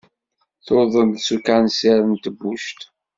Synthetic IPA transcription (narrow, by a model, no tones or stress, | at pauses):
θoðˤənsukanseɾənt̪əbːuʃt̪